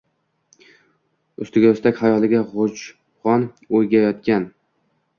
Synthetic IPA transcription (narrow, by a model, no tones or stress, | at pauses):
ʊst̪ɪɡʲaɵst̪akʲhajɒlɪɡʲaʁot͡ʃ | ʁɒn | ojɡʲajɒt̪̚kʲan